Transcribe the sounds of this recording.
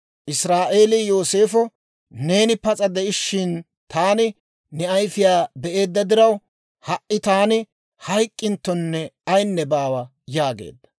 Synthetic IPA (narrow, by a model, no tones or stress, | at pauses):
ʔɪsɾaːʔe̞ːlɪjo̞ːse̞ːfɔ | ne̞ːnɪpɐt͡sʼɐd̪ɛɪʃːɪn | t̪aːnɪ | nɛɐjfɪjaːbɛʔe̞ːd̪ːɐd̪ɪɾɐw | hɐʔʔɪt̪aːnɪ | hɐjkʼːɪnt̪ːɔnːɛɐjnːɛbaːwɐ | jaːɡḛːd̪ːɐ̥